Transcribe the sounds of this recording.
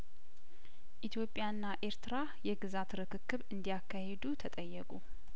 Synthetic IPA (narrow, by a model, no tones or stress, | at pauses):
ʔit̪ʰjo̞pʼːjanːaʔe̞ɾt̪ɨɾa | jɛɡɨzat̪ɾɨkʰɨkːɨβɨnd̪ijakʰːahed̪ut̪ʰət̪ʼəjːɛkʼu